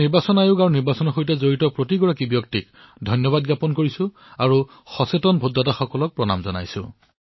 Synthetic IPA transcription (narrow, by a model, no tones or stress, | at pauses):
niɹbasɔnajʊɡaɹuniɹbasɔnɔxojtɛzoɹitɔpɹotiɡɔɹakibjɔktik̚ | dʱɔjnjɔbadɡapɔnkoɹisʊ̃ | aɹu | xɔsetɔnbʱudːataxɔkɔlɔk̚pɹɔna̰mzɔna̰jsʊ̰̃